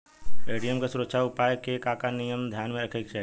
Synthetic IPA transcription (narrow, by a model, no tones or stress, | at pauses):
eːɖijəmkasʊɾəkʃʰaʊpaːjkekaːkanijəmd̪ʱjaːnmẽəkʰeːkʃa